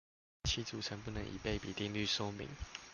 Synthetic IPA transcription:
t͡ɕʰi˥t͡su˨˩t͡sʰə˧˦npu˥˩nə˧˦ŋʔḭ˨˩pe˥˩ɪpi˨˩t̪i˥˧ŋly˥˩sɔ˥mḭ˨˧˥ŋ

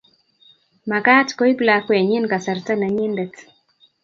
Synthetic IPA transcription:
ma˨ka˦tko˦i˦bla˨kwa˨ɲɪ˦nka˨sa˨rta˦na˨ɲɪ˦ndɛ˨t

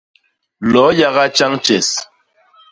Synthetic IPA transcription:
lɔ˨˦ja˦ɣa˦t͡ʃa˦ŋt͡ʃɛ˨s

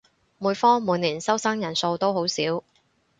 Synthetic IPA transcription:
muː˨˧jfɔː˥ŋmuː˨˧nliː˨˩nsɐ˥wsɐː˥ŋjɐ˨˩nso˧wt̪o˥wɦo˨˥wsiː˨˥w

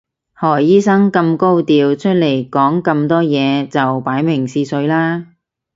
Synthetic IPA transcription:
hɔː˨˩jiː˥sɐ˥ŋkɐ˧mko˥wt̪iː˨wt͡ʃʰɵ˥t̚le˨˩jkɔː˨˥ŋkɐ˧mt̪ɔː˥jɛː˨˧t͡sɐ˨wpaː˨˥jmɪ˨˩ŋsiː˧sɵ˨˧˥ɥlaː˥

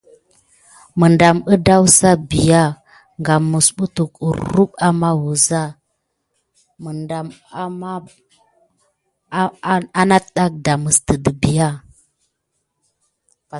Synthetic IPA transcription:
mə˨nda˨mə˦da˦wsa˦bi˨ja˦˨ | ŋɡa˨mə˨sɓu˦tu˨kṵ˨ɾu˦ɓa˦ma˦wu˨za˦ | mə˨nda˨ma˦ma˦ | a˦na˦tɗa˦k̚da˨mə˨stə˨də˨bi˨ja˦˨ | pa˨

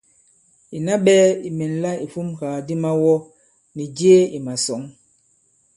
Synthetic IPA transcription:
i˨na˦ɓɛː˦i˨mɛ˨n˨la˦i˨fu˦mkaː˨di˦ma˦wɔ˦ | ni˨d͡ʒe˦i˨ma˨sɔ˨˦ŋ

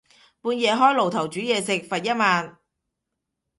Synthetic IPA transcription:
puː˧njɛː˨˧ɦɔː˥jlo˨wt̪ʰɐ˨˩wt͡ʃyː˨˥jɛː˨˧sɪ˨k̚fɐ˨˩t̚jɐ˥t̚maː˨˧n

